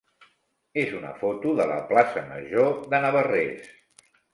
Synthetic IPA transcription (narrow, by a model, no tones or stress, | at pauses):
ezunə̰fot̪uðələ̰plasəmə̰ʒoðənəβərḛs